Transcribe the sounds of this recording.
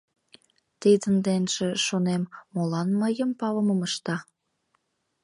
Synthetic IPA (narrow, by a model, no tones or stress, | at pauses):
t̪id̪ənd̪enʒeʃonemːolɑnməjəmpɑləməməʃt̪ɑ